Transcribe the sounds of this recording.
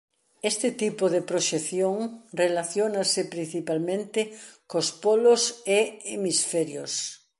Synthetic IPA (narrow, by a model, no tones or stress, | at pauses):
est̪ɪt̪ipʊðepɾoʃeθjoŋrelaθjonasɪpɾin̟θipalmẽnt̪ɪkospoloseemisfɛɾjos